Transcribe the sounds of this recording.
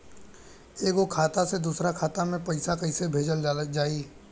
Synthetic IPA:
eːkokʰaːt̪ased̪uːsɾakʰaːt̪amẽpɐɪsakɐɪsebʱeːd͡ʒəld͡ʒaːiː

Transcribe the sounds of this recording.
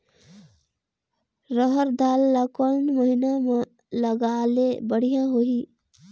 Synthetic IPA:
ɾəɦəɾd̪aːlːəkəlnməɦinam | ləɡaːlebəɽ̤ijãɦoi

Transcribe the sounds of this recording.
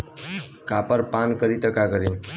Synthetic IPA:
kapəɾpankəɾit̪əkakəɾĩ

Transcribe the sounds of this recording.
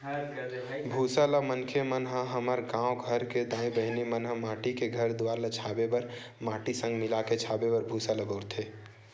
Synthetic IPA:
bʱuːsalamənkʰemənɦaɦəməɾɡãːwɡʱəɾked̪ãːĩbəɦnimənɦamaːʈikeɡʱəɾd̪ʊwaːɾlat͡ʃʰaːbebəɾ | maːʈisə̃ŋɡmɪlaket͡ʃʰaːbebəɾbʱuːsaləɡəːɾt̪ʰeː

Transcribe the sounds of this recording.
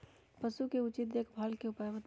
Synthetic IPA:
pəsukeʊt͡ʃɪt̪̚d̪eːkʰbʱalkeʊpajʋət̪

